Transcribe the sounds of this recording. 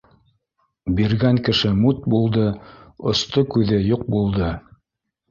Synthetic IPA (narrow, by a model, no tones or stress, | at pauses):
biɾɡæŋkɘ̆ʃɘmut̪̚bulˠd̪ɤŏst̪okʉðɘjuq̚bulˠd̪ɤ